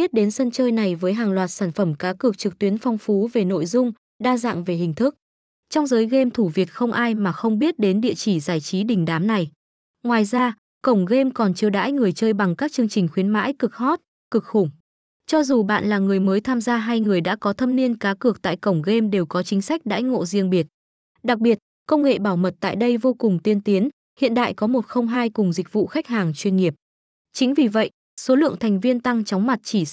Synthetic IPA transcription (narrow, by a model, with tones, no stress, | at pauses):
ɓi˦˥ət̚ɗe˨˦nsə˧nt͡ɕəː˧jna˨˩jvəː˨˦jɦaː˨˩ŋlwaː˨˩t̚saː˧˩nfə˧˩mkaː˨˦kɨ˨˩ək̚t͡ɕɨ˨˩k̚t̪wi˨˦ənfɔ˧wŋ͡mfu˨˦ve˨˩no̰˧˨jzʊ˧ŋ͡m | ɗaː˧za̰ː˧˨ŋve˨˩hï˨˩ŋ̟t̪ʰɨ˦˥k̚ | t͡ɕɔ˧wŋ͡mzəː˨˦jɣe˧mt̪ʰu˧˩vi˨˩ət̚xə˧wŋ͡mʔaː˧jmaː˨˩xə˧wŋ͡mɓi˦˥ət̚ɗe˨˦nɗḭ˧˨ət͡ɕi˧˩zaː˧˩jt͡ɕi˨˦ɗï˨˩ŋ̟ɗaː˨˦mna˨˩j | ŋwaː˨˩jzaː˧ | kə˧˩wŋ͡mɣe˧mkɔ˨˩nt͡ɕi˧əwɗa̰ː˧˥jŋɨ˨˩əjt͡ɕəː˧jɓa˨˩ŋkaː˦˥k̚t͡ɕɨ˧əŋt͡ɕï˨˩ŋ̟xwi˨˦ənma̰ː˧˥jkɨ˨˩k̚hɔ˦˥t̚ | kɨ˨˩k̚xʊ˧˩ŋ͡m | t͡ɕɔ˧zu˨˩ɓa̰ː˧˨nlaː˨˩ŋɨ˨˩əjməː˨˦jt̪ʰaː˧mzaː˧ɦaː˧jŋɨ˨˩əjɗa̰ː˧˥kɔ˨˦t̪ʰə˧mni˧ənkaː˨˦kɨ˨˩ək̚t̪a̰ː˧˨jkə˧˩wŋ͡mɣe˧mɗe˨˩wkɔ˨˦t͡ɕï˨˦ŋ̟sa˦˥jk̟̚ɗa̰ː˧˥jŋo̰˧˨zi˧əŋɓi˨˩ət̚ | ɗa˨˩k̚ɓi˨˩ət̚ | kə˧wŋ͡mŋḛ˧˨ɓaː˧˩wmə˨˩t̚t̪a̰ː˧˨jɗə˧jvo˧kʊ˨˩ŋ͡mt̪i˧ənt̪i˨˦ən | hḭ˧˨ənɗa̰ː˧˨jkɔ˨˦mo˨˩t̚xə˧wŋ͡mɦaː˧jkʊ˨˩ŋ͡mzï˨˩k̟̚vṵ˧˨xa˦˥k̟̚haː˨˩ŋt͡ɕwi˧ənŋi˨˩əp̚ | t͡ɕï˨˦ŋ̟vi˨˩və̰˧˨j | so˨˦lɨ̰˧˨əŋt̪ʰɛ˨˩ŋ̟vi˧ənt̪a˧ŋt͡ɕɔ˨˦wŋ͡mma˨˩t̚t͡ɕi˧˩